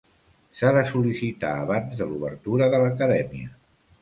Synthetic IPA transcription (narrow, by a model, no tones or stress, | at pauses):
saðəsulisit̪a̰əβanzðəluβəɾt̪uɾəðələkəðɛmiə